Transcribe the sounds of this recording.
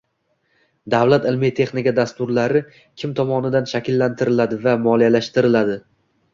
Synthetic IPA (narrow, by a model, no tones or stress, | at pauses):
d̪avlat̪ɪlmit̪ʰe̞χnɪkʲad̪ast̪ʊɾlaɾɪ | kʲʰɪmt̪ʰɒmɒnɪd̪anʃakʲɪlːant̪ʰɪɾɪlad̪ɪvamɒlˠijalaʃt̪ɪɾɪlad̪ɪ